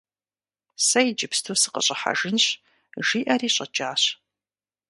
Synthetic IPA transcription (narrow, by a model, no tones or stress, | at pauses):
sɐjd͡ʒɪpstʰosɨ̥qə̰ɕʼɐħa̰ʒɨnɕ | ʒiːʔɐriːɕʼɐd͡ʒʼaːɕ